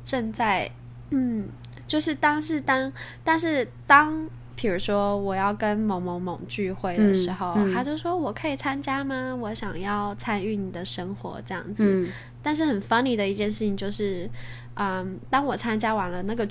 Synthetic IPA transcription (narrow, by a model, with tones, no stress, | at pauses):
ʈ͡ʂə˥˧nt͡sa˥˧ɪ | n̩˥˩ | t͡ɕjo˥˧ʊʂɻ̩˥˩t̪ɑ˥ŋʂɻ̩˥˩t̪ɑ˥ŋt̪a˥˧nʂɻ̩˥˩t̪ɑ˥ŋ | pʰi˨˩ɻu˧˥ʂwɔ˥wɔ˨˩jɑ˥˩ʊkə˥nmo˧˥ŋmo˧˥ŋmo˨˧˩ŋt͡ɕy˥˧xwe˥˩ɪd̪ə˩ʂɻ̩˧˥xo˥˧ʊxa˧˥t͡ɕjo˥˩ʊʂwɔ˥wɔ˨˩kʰɤ˧˥i˨˩t͡sʰa˥nt͡ɕja˥mɐ˧wɔ˧˥ɕjɑ̰˨˩ŋjɑ˥˩ʊt͡sʰa˥ny˥˩ni˨˩d̪ə˦ʂə˥ŋxwɔ̰˧˥ʈ͡ʂɤ˥˧jɑ̰˥˩ŋd͡zɹ̩˩ | t̪a˥˧nʂ̬ɻ̩˥˩xə˨˩nfa˥nli˧˥˩d̪ə˩i˥˩t͡ɕjɛ˥˧nʂɻ̩ʰ˥˩i˧˩ŋt͡ɕjo˥˧ʊʂɻ̩˥˩ | ə˧t̪ɑ˥ŋwɔ˨˩t͡sʰa˥nt͡ɕja˥wa˨˩nlə˦na˥˩ɡə˩